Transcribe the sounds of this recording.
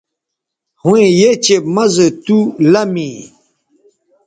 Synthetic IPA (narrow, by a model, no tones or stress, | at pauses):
hũẽjet͡ɕemɐzet̪ulɐmĩ